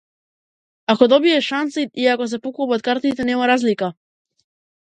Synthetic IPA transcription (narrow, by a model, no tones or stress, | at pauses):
akɔd̪ɔbiɛʃant̪siiakɔs̬ɛpukubɔt̪̚kaɾt̪it̪ɛnɛmaɾazlika